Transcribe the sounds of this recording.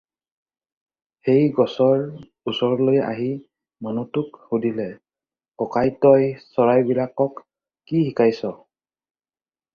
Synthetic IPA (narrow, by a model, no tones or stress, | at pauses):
hejɡɔsɔɹ | usɔɹɔloja̰ɦi | manutʊkhudilɛ | ɔkajtɔjsɔɹajbilakɔkː | ihikajsɔ